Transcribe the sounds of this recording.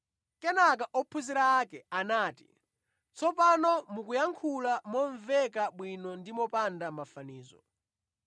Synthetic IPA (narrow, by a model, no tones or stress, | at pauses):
kɛnak̬aʔɔpʰuziɾaːkɛanaːti̥̰ | t͡sɔpanɔmukujaŋkʰulamɔɱvɛkaɓwinɔndimɔpandamafaniːzɔ̰